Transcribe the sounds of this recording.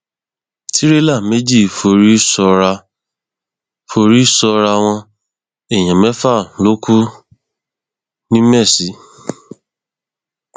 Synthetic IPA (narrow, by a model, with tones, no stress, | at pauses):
ti˦ɾe˦la˦˨me˦d͡ʒi˦˨fo˧ɾi˦sɔ˧ɾa˧ | fo˧ɾi˦sɔ˧ɾa˧w̃ɔ̃˧ | e˨j̃ã˨mɛ̃˨˦fa˦˨lo˦kʰu˦ | nĩ˦mɛ˦˨si˨˦